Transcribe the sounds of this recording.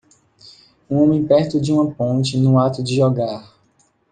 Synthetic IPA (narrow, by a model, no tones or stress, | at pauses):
ũõmẽj̃pɛɾt̪ʊd͡ʒɪũmɐpõt͡ʃɪnʊ̃at̪ʊd͡ʒɪʒɔɡaɾ